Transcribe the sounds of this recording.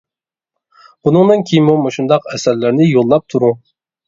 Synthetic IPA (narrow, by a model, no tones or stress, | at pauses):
bunɨŋd̪ɨnkʲʰejmumoʃund̪ɑqɛsæɾlɪɾnɪjolˠːɑp̚t̪ʰuɾu